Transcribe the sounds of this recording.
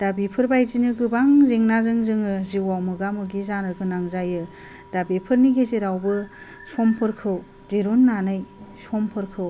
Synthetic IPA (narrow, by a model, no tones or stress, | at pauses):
d̥abipʰɯɾbajzinɯɡɯbaŋzeŋnazɯŋzɯŋɯziwawmɯɡamɯɡizaɾɯɡɯnaŋzajɯ | d̥abipʰɯɾniɡezeɾawbɯ | sɔmpʰɯɾkʰɯw | zeɾonːanɯjsɔmpʰɯɾkʰɯw